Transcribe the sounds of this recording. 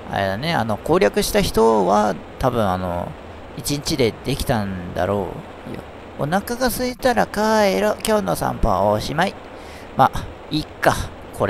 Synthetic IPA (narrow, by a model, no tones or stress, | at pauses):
a̰ɾed̪ane̞a̰no̞ko̞ːɾʲakɯ̟ɕi̥t̪açi̥t̪o̞βat̪abɯ̟̃ɰ̃ano̞̰ | it͡ɕĩɲt͡ɕid̪e̞d̪e̞kʲi̥t̪ãnd̪a̰ɾo̞̰ː | jo̰ | o̰nakaɡasɨit̪aɾakaeɾokʲoːnosã̰mpa̰oɕimai | ma | ikːa | kʰo̞ɾe